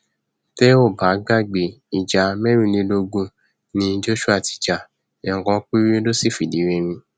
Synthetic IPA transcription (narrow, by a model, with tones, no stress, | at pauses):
tɛ˦o˦˨ba˨˦ɡa˦˨ɡ͡be˨i˨d͡ʒa˨mɛ˦ɾĩ˦˨nĩ˧lo˧ɡũ˦ | nĩ˧˦d͡ʒo˦ʃu˦a˦˨ti̥˧˨d͡ʒa˨ | ɛ˨kɔ̃˧˦k͡pi˦ɾi˦lo˦si˦˨fi˨di˨˦ɾe˧mĩ˧